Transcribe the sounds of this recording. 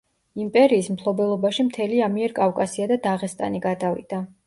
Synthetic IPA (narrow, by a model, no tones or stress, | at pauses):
impʼɛɾiːsmpʰlˠɔbɛlˠɔbaʃimt̪ʰɛliamiɛɾkʼafkʼasiad̪ad̪aʁɛst̪ʼa̰niɡad̪avid̪̥a